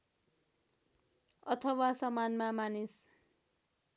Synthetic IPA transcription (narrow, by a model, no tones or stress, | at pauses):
ʌt̪ʰʌwasʌmanmamanis